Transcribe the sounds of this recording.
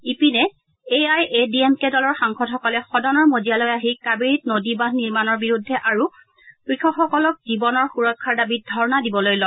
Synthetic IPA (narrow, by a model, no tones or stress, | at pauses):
ipinɛ | eajʔediemkedɔlɔɹxaŋxɔt̚xɔkɔlɛxɔdɔnɔɹmozialɔjaɦikabiɹit̚nodibanniɹmanɔɹbiɹudʱːɛʔaɹu | kɹikʰɔkxɔkɔlɔk̚zibɔnɔɹxuɹɔkʰːaɹdabit̚dʱɔɹɔnadibɔlojlɔ